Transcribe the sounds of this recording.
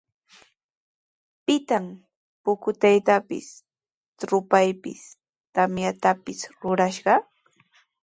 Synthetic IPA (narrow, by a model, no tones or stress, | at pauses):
pɪt̪am | pʊkʊt̪ajt̪apɪ̰s | t̪ɾʊpajpɪ̰s | t̪amjat̪apɪsɾʊɾaʃɢɑ